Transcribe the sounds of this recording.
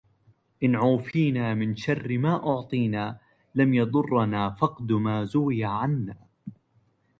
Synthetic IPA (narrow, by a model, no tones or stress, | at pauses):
ʔɪnʕuːfiːnaːmɪnʃarːɪmaːʔʊʕt̪ˤiːnaː | lamjɑd̪ˤʊrˤːnaːfɑqd̪ʊmaːzʊwɪjaʕanːaː